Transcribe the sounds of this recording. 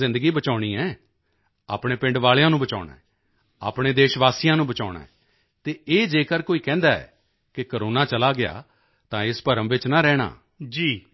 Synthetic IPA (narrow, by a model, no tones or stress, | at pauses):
ɪ̃nd̪əɡiːbət͡ʃaːɽ̃iːɛː | a̰ːpɽeːpɪ̃ɳɖʋaːlejãːnũːbət͡ʃa̰ːʊɽa̰ːɛː | a̰ːpɳeːd̪eːʃʋaːsiːjãːnũːbət͡ʃaːɽa̰ːɛː | t̪eːeːd͡ʒeːkəɾkoːiːkɛ̃ːnd̪aːɛ̰ː | kɪkəɾoːnaːt͡ʃəlaːɡɪa̰ː | t̪ãːɪspəɾəmʋɪt͡ʃnaːɾɛːɽa̰ː | d͡ʒiː